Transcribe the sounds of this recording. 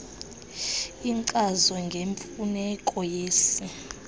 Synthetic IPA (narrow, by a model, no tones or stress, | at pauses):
iŋǀʼazɔŋɡʱeɱfunɛkʼɔjeːsi